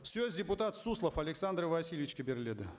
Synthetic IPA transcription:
fsʲozʲdʲɪpʊt̪at̪suslˠəfɐlʲɪksand̪rvɐsʲilʲɪvʲɪt͡ɕʲkəbʲɪrlʲed̪ɨ

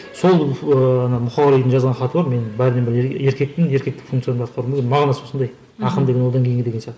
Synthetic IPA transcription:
so̞lˠəɑnɑmʊχɑlˠlˠijd̪ənʒɑzʁɑnχɑt̪əbɑɾme̞nbæɾɪd̪embɪɾe̞ɾkʲe̞k̚t̪ɪŋje̞ɾkʲe̞k̚t̪ɪ̥kfuŋkt̪sɨjanbɑt̪qɑɾmbʲkʲenmɑʁɑnɑswo̞sənd̪ɑj | ɑqəmd̪e̞ɡʲenwod̪ɑŋkʰʲejɪŋɡed̪e̞ɡesjɑʁt̪ə

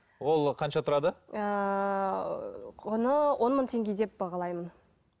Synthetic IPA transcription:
wo̞lˠqʰɑnʃɑt̪ʰʊɾɑd̪əə | ʊnəwʔo̞nməɴt̪ʰe̞ŋɡʲe̞d̪e̞p̚bɑʁɑlˠɑjmən

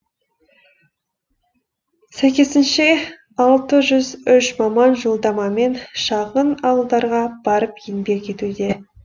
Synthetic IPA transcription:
sæjkʲe̞sɪnʃe̞ | ɑlˠt̪əʒʏzʏʃmɑmɑnʒolˠd̪ɑmɑme̞nʃɑʁənɑwəlˠd̪ɑɾʁɑb̥ɑɾəpjɪnbe̞kʲʰe̞t̪ud̪e̞

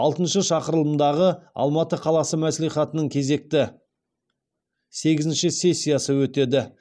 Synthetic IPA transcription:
ɑlˠt̪ənʃəʃɑqəɾəlˠəmd̪ɑʁəɑ̰lˠmɑt̪əqʰɑlˠɑsəmæsliχɑt̪ənəɴkʲʰe̞ze̞k̚t̪ɪ | se̞ɡʲɪzɪnʃɪsʲe̞sʲːijasəwɵt̪e̞d̪ɪ

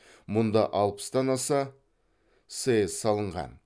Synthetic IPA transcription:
mʊnd̪ɑʔɑlˠpə̥sd̪ɑnɑsɑ | sezsɑlˠəɴʁɑ̰n

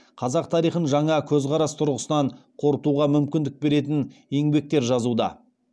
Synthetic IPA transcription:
qʰɑzɑq̚t̪ʰɑɾijχənʒɑɴɑkʲʰɵzqʰɑɾɑst̪ʰʊɾʁəsənɑɴqʰo̞ɾət̪uʁɑmʏmkʲɪnd̪ɪk̚be̞ɾe̞t̪ɪnje̞ŋbe̞k̚t̪e̞ɾʒɑzud̪ɑ̰

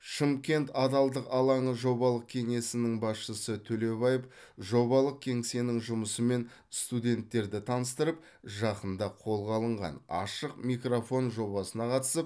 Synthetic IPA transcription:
ʃəmkʲe̞nt̪ɑd̪ɑlˠd̪əqɑlˠɑɴəʒo̞βɑlˠəq̚kʲʰe̞ŋe̞sɪnɪŋbɑsʃəsət̪ʰɵle̞βɑjəf | ʒo̞βɑlˠəq̚kʲʰe̞ŋse̞nɪŋʒʊməsəme̞n | st̪ud̪ʲe̞nt̪ːe̞ɾd̪ɪt̪ʰɑnəst̪əɾəp̚ | ʒɑqənd̪ɑqʰo̞lˠʁɑlˠəɴʁɑ̰nɑ̰ʃəq̚mijkrofo̞nʒo̞βɑsənɑqʰɑt̪ə̥səp̚

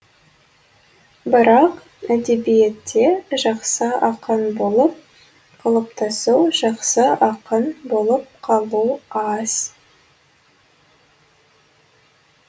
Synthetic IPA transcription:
bɪɾɑq | æd̪e̞bijet̪ʰːe̞ʒɑqsəɑqənbo̞lˠəp̚ | qʰɑlˠəpt̪ɑsuwʒɑqsəɑqənbo̞lˠəp̚qʰɑlˠuwɑz̥

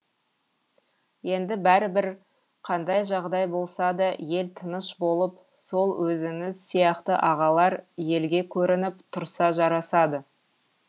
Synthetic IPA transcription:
je̞nd̪ɪbæɾɪbɪɾ | qʰɑnd̪ɑjʒɑʁd̪ɑjbo̞lˠsɑd̪ɑje̞lt̪ʰənəʃbo̞lˠəp̚ | so̞lˠwɵzɪŋɪzsijɑqt̪əʔɑʁɑlˠɑɾje̞lɡʲe̞kʲʰɵɾɪnɪpt̪ʰʊɾsɑʒɑɾɑsɑd̪ə

